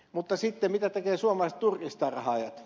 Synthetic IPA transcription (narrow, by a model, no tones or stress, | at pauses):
mut̪ːɑsit̪ːemit̪æt̪ekeːsuomˑɑlɑset̪t̪urkist̪ɑrɑhɑːjɑt̪